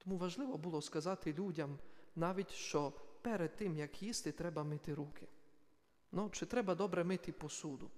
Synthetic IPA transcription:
t̪ɔmuʋɐʒlˠɪʋɔbulˠɔskɐzɑt̪ɪlʲudʲɐmnɑʋʲitʲʃt͡ʃɔpɛɾɛd̪̚t̪ːɪmjɐkjist̪ɪt̪ɾɛbɐmɪt̪ɪɾukʰɪ | nut͡ʃɪt̪ɾɛbɐd̪ɔbɾɛmɪt̪ɪpɔsud̪ʊ

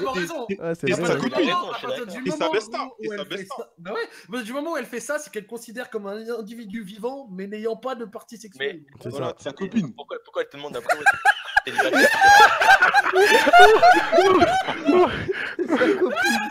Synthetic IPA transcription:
bɔ̃ʁezɔ̃asɛsakɔiaaʁiʁd̪ymɔsmãɛsauɛlɛsabɛwɛpaʁt̪id̪ymɔmɑ̃uɛlfɛsasɛ̥kɛlkɔ̃sid̪ɛʁkɔmɛ̃nɛ̃d̪ivid̪yvivɑ̃mɛnejɑ̃pad̪əpaʁt̪isɛksɛl | sɛssa̰akɔpinpukwapuʁkwaɛlt̪əd̪mɔ̃d̪a | kɔpi

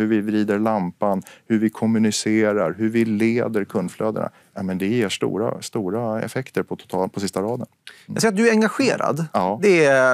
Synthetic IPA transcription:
hɵɾvɪvɾiːd̪əɾɭampanhɵɾvɪkʰɔmːɵnɪseːɾaɾɦɵɾvɪleːd̪əɾkʰɵnd̪fløːd̪ə̰na̰ | nɛmɛnd̪ɛjeːʂt̪ṵːɾa̰st̪uːɾaɛ̰fɛkt̪əɾpʰɔt̪ʰʊ̥t̪ʰɑpʰɔsɪst̪aɾɑːd̪ənj̰sjɾat̪̚d̪ɵæɾɛŋɡaɧeːɾa̰d̪ɑːd̪ɛ

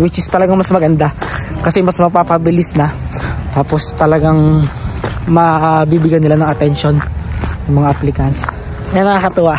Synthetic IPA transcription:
wɪt͡ʃɪst̪ɐlɐɡaŋmɐsmɐɡɐnd̪akɐsɛmɐsmɐpapɐbɪlɪsnɐt̪aːpo̞st̪ɐlɐɡaŋ | mɐbibɪɡanɪlanɐŋɐt̪ɛnʃonjɐŋmɐŋaʔɐplɪkɐns | jaŋnɐakɐt̪ʊwa

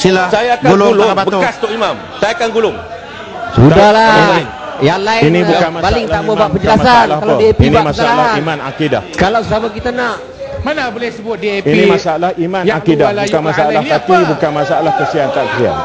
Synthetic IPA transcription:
silasajaːkaɡullabəast̪oʔimam | sajaakanɡulʊŋ | sudahlaii | jaŋlaɪinĩbukanpalɪŋt̪aʔmə̃baʔpəɲd͡ʒəlasanlahkalaədiapinmasalaimanakida̰hkalawssamak̬it̪anãʔ | manabolɪhsəbʊt̪̚diainĩmasaalahimãnakidakanmasaalahat̪ibukanmasaalahkəsiant̪aʔkəsia̰n

